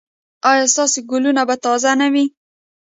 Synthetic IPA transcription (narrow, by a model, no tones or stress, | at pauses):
ɑjɑst̪ɑseɡʊlunabat̪ɑzanawi